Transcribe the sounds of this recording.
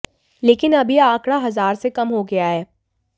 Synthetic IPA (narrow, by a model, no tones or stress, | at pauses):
leːkɪnɐbʱiãːkɽaɦɐzaːɾsekɐmɦoɡɐjaɦɛː